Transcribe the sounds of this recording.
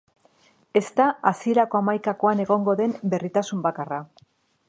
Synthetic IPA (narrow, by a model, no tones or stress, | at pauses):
e̞st̪aasie̞ɾako̞amajkako̞ane̞ɣ̞o̞ŋɡo̞ðe̞mbe̞rit̪asumbakara